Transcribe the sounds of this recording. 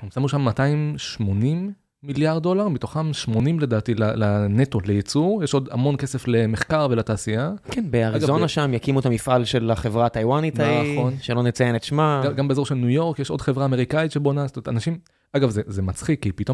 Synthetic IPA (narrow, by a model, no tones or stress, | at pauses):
emsamuʃamːataimʃmo̞nimː | iljaʁd̚do̞laʁbit̪o̞χamʃmo̞nimle̞daːtilalaneto̞lejet͡suʁjeʃo̞da̰mo̞nke̞sefle̞meχkaʁvelataːsiakʰenbeaʁiazɡavzonaʃamjakimuet̪amifʔalʃelaχevʁatajwanitaχonʃelo̞net͡sajenet̪ʃmaɡaɡambezo̞ʁʃelnujo̞ʁkjeʃo̞dχe̞vʁaːme̞ʁikait̪ʃe̞bonazotometanaʃim | ʔaɡavzezemat͡sχikːipit̪o